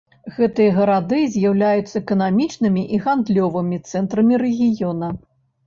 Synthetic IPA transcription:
ɣɛt̪ɨjɐɣɐɾad̪ɨzʲjawlʲajut̪sːɐɛkɐnamʲit͡ʂnɨmʲiʔiɣand̪lʲɔvɨmʲit̪sɛnt̪ɾɐmʲiɾɛɣʲijɔnɐ

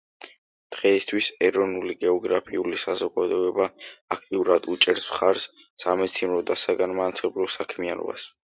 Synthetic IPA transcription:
d̪̥ʁɛist̪ʰwisɛɾɔnuliɡɛɔɡɾapʰiulisazɔɡad̪ɔɛbaːkʰt̪ʼiuɾad̪ut͡ʃʼɛɾsmχaɾsː | amɛt̪sʰinɾɔd̪asaɡanmanat̪sʰɛblɔsakʰmianɔ̰ba̰s

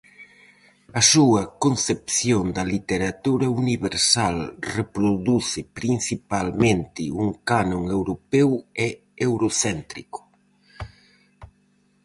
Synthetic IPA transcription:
ɐsuɐkonθepθjond̪ɐlit̪eɾat̪uɾɐuniβeɾsalrepɾoðuθɪpɾin̟θipalmẽnt̪ɪuŋkanõŋewɾopɛwɛ | ewɾoθɛnt̪ɾikʊ̥

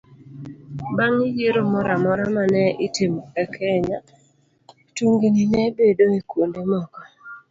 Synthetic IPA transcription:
baŋijeɾomɔɾamɔɾamanɛʔɪtɪmɛkɛɲa | tuŋɡininɛbedoekwondemɔkɔ

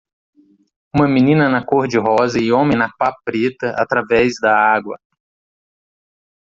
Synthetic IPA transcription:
ũmɐmĩnĩnɐnɐkoɾd͡ʒɪɦɔzɐɪõmẽj̃nɐpapɾet̪ɐʔa̰t̪ɾavɛzd̪ɐaɡwɐ̰

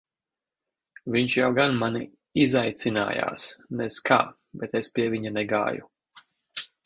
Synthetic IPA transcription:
viɲʃjawɡanmani | izajt̪sina̰ːja̰ːsnɛskʰa̰ː | bɛt̪espʲiɛvʲiɲanɛɡa̰ːjṵ

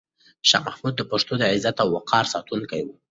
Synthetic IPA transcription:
ʃɑ̰mahmud̪̚ːəpaʂt̪od̪əʕɪzat̪awːaqʰɑɾsɑt̪uŋkajwu

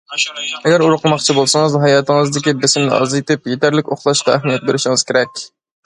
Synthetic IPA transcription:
ɛɡʲæɾuɾʊqlˠmɑχt͡ʃʰibolˠsɑŋəzɦɑjɑːt̪ʰəŋəzd̪ɪkʲibɪsɪmnɪ̰ʔɑ̰zet̪ɪpjet̪ʰæɾlɪkʲoχlˠɑʃqɑæhmijɛt̪̚beɾɪʃɪŋɨz̥kʲʰeɾɛkʲ

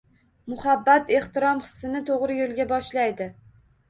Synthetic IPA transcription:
mʊhabːat̪e̞ht̪ɪɾɒmχɨ̥sːɪnɪt̪ʰoʁɾɪjolˠɡʲabɒʃlajd̪ɪ

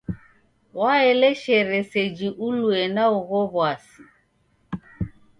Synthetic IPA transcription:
waɛlɛʃɛɾɛsɛd͡ʒiʔuluɛnauɣɔβwasi

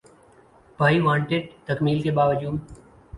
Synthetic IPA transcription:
paːiʋãːɳʈeːʈt̪əkmiːlkebaːʋəd͡ʒuːm

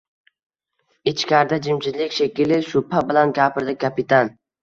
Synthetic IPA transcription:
ɪt͡ʃkʲʰaɾd̪ad͡ʒɪmt͡ʃʰɪzlɪkʲʃekʲilɪʃʊpʰːabɪlanɡʲapʰɪɾd̪ɪkʲʰːapɪt̪ʰan

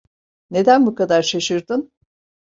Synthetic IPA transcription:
ne̞d̪ænbukad̪aɾʃaʃɯɾd̪ɯn

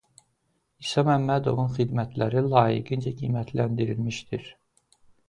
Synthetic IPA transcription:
isɑmæmːæd̪o̞̰vunxid̪mæt̪ʰlæɾilˠɑːjḭɡind͡ʒæɡiːmæt̪ʰlænd̪iɾilmiʃd̪iɾ

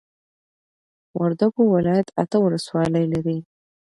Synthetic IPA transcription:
waɾd̪aɡowɪlɑjat̪at̪əwʊləswɑləjlaɾi

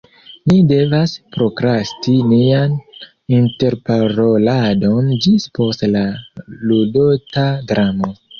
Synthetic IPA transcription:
nide̞vaspɾo̞kɾastinian | inte̞ɾpaɾo̞lado̞nd͡ʒispo̞stlaludotadɾamo̞

